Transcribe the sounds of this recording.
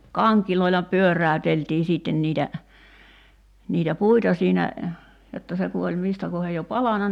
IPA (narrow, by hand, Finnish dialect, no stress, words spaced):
kɑŋkiloilɑ pyørˑæøteltiː siˑtːen niːtæ niːtæ puitɑ siːnæ jotːɑ se ku olʲ mistæ kohej jo pɑlɑnɑ